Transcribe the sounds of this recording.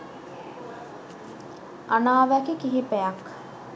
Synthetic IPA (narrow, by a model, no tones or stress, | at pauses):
anaːʋækikiɦipejak